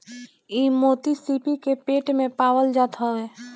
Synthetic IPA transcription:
imoːt̪isipikepeːʈmẽpaːwəld͡ʒaːt̪ʰaeː

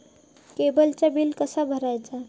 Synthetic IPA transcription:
kebəlt͡ɕabilkəsabʱəɾajt͡sa

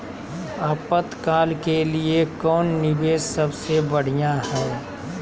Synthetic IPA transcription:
aːpət̪kaːlkeliekɔːnːɪbeːssəbsebəɽ̤ijãɦɛː

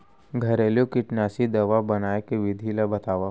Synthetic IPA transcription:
ɡʱɐɾeːlijõkɪʈnjaːsid̪ɐʋabɐnaːekeʋɪd̪ʱilabɐt̪aːʋa

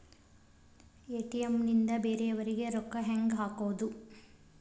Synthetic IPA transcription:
eːʈiɐmnind̪ɐbeːɾeɐʋɐɾiɡeɾɔkːɐɦɐŋɡɦaːkoːd̪u

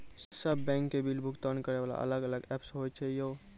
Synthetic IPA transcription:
səbːɛ̃ŋkːebilbʱukt̪ənkəɾeʋala̰ʔə̰ləɡələɡɛpsɦojt͡ʃʰɛjo

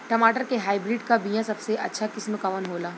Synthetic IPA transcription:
ʈəmaːʈəɾkeɦaːibɾiɖkabijãsɐbseʔɐ̰tːʃʰakɪsməkaʋənɦolaː

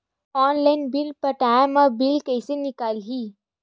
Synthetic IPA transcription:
ɔːnlaɪnbɪlpɐʈaːamabɪlkɛɪsenɪkaːlɦiː

